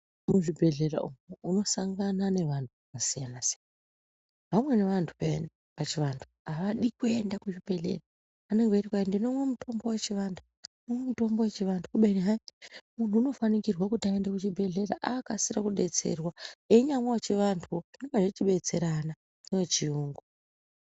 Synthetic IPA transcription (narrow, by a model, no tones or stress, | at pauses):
muʐibʱe̞ɮe̞ra̰ʔumuuno̞saŋɡanane̞ʋantukasijanasijan | ʋamwe̞ne̞ʋantʰu̥pen | pat͡ʃiʋantʰu̥aʋaɗikue̞ndakuʐibʱe̞ɮe̞̰raː | ne̞ŋɡerikwaindino̞mwemutʰo̞mbo̞we̞t͡ʃiʋantʰu | nowemuto̞mbo̞wet͡ʃiʋantʰukuɓainiɦamun̤uːno̞fanikirwakutaendekut͡ʃibʱe̞ɮe̞raʔakasiɾakuɗe̞t͡se̞̰rwae̞ɲamwaot͡ʃiʋantʰuoinekaʐet͡ʃiɓe̞t͡se̞ɾana | newet͡ʃiuːŋɡo